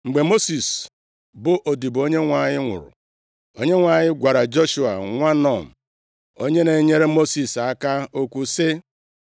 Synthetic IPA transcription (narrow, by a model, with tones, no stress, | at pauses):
ŋ͡m̩˨ɡ͡be˨mo˦si˨s | bʊ˨ʔo˨di˨bo˦ɲe˦ŋʷa˨ɲɪ˦ŋʷʊ̰˨ɾʊ̰˨ | o˦ɲe˦ŋʷa˨ɲɪ˦ɡʷa˨ɾa˨d͡ʒo˦ʃu˨a̰˨ŋʷa˦nɔ˨n̩˨ | o˦ɲe˦ne˨˦ɲe˦ɾe˦mo˦si˨sa˦ka˦o˦kʷu˦sɪ˦